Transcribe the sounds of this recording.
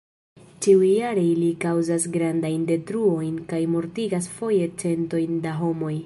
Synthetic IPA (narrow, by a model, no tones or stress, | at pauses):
t͡ʃiujːaɾe̞jlikawzasɡɾandajnde̞tɾuo̞jnkajmo̞ɾtiɡasfo̞je̞t͡se̞nto̞jndaɦo̞mo̞j